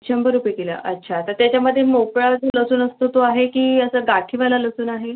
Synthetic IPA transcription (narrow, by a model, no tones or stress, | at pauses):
t͡ɕʰəmbəɾupekela̰ʔə̰tːɕʰat̪əɾt̪jat͡ɕjaməd̪ʱːjemokɭad͡zoləsuːnəst̪ot̪oaɦekiːəsəːɡaʈʰiʋalaləsuːnaɦe